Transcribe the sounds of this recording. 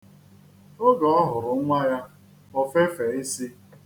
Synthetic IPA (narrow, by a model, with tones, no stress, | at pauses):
ʊ˦ɡɔ˨ɔ˦ɦʊ˨ɾʊ˨˦ŋʷa˦ja˦ | ɔ˦fe˦fe˨i˦si˦